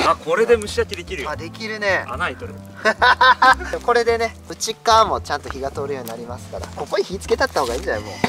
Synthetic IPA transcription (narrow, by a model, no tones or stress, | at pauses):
akʰo̞ɾe̞d̪e̞mɯ̟ɕiakʲid̪ekʲiɾɯjmad̪e̞kʲiɾɯ̟ne̞a̰nait̪oɾɯ̰ | ako̞ɾe̞d̪e̞ne̞ | ɯ̟t͡ɕikaːmo̞t͡ɕãnt̪o̞çiɡat̪o̞ːɾɯ̟jo̞ːɲ̟inaɾʲimasɨ̥kaɾa̰ko̞koɲ̟içiːt͡sɨ̥ke̞t̪at̪ːaho̞ːɡaiːd͡ʑanamo̰